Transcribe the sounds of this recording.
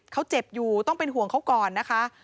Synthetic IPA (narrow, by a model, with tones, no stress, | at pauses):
kʰa˦˥wt͡ɕe˨˩p̚juː˨˩t̪ɔ˥˩ŋpe˧nɦu˨˩əŋkʰa˦˥wkɔː˨˩nːa˦˥kʰa˦˥ʔ